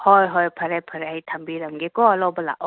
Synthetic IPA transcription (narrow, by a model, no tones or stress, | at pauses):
hojɦojpʰɐɾajpʰɐɾjtʰɐmbiɾɐmɡikɔɐlɔwbɐla̰ʔɔ